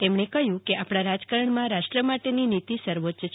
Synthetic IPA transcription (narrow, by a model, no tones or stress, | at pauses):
t̪emɳ̃ekəɦjũkeʔapɽ̃aɾad͡ʒkəɾəɳmãɾaʃʈɾəmaʈeninit̪isəɾʋot̪ːʃə